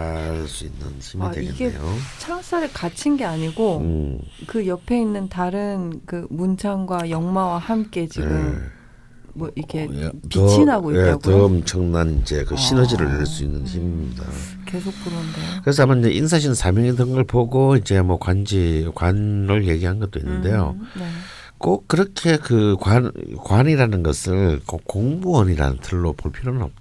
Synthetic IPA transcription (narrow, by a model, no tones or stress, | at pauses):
aɭs͈uinːɯ̰nçimiweiɡinɡeḛjot͡ɕʰaŋs͈aɾɯɭkat͡ɕʰinɡe̞aɲiɡo | kɯjʌpʰe̞inːɯntaɾɯnkɯmunt͡ɕʰaŋɡwajʌŋmawahamk͈e̞t͡ɕieɡɯm | mʌikʰe̞pit͡ɕʰinɦaɡoijeaɡtʌmt͡ɕʰʌŋnanind͡ʑe̞̰kɯɕʰinʌd͡ʑiɾɯɭeɭs͈uinːɯnçimida̰ | kesʰok̚p͈uɾondekkɯɾe̞s̬ʰʌamaind͡ʑe̞ʔinsʰaɕ̬ʰinsʰamjʌŋidɯŋɡɯɭpoɡoid͡ʑe̞mʌkwand͡ʑikwanɾɯɭje̞ɡiɦanɡʌt̚t͈oḭnːɯnde̞jo̰ne | k͈ok̚k͈ːɯɾʌkʰe̞kɯkwankwaniɾanɯnɡʌsʰɯɭkokk͈ːoŋbuʌniɾa̰nɯ̰ntʰɯɭːopoɭpʰiɾonɯnʌ̰p̚t